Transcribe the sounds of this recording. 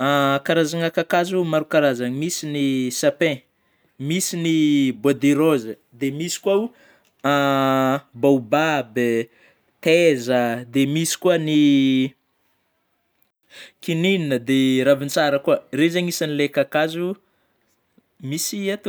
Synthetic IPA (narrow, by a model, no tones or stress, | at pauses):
akaɾazaŋakakazumaɾukaɾazaŋmisinisapɛ̃ | misinibad̪eɾozə | d̪emisi̥kwaw | a | bawbab | t̪ezəd̪emisi̥kuəni | kininnəd̪eɾavint͡saɾəkuərezaŋisanilekakazu | misiat̪